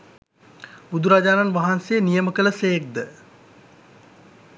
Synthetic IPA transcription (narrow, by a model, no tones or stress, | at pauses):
bud̪uɾad͡ʒaːnanʋaɦansejːnijəməkələsejk̚d̪ə